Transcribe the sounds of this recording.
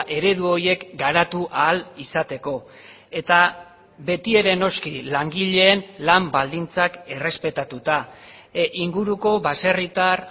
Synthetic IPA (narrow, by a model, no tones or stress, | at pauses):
ʔe̞ɾe̞ðuo̞je̞kɡaɾat̪uʔaːlisat̪e̞ko̞ | e̞t̪a | βe̞t̪ie̞ɾe̞no̞skilaŋɡiʎe̞ːnlambald̪int͡sake̞re̞spe̞t̪at̪ut̪a | ʔiŋɡuɾuko̞βase̞rit̪ar